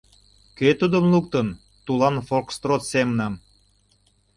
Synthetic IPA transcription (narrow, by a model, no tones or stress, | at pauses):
køt̪ud̪əmlukt̪ən | t̪ulɑnfolkst̪rot̪semənɑm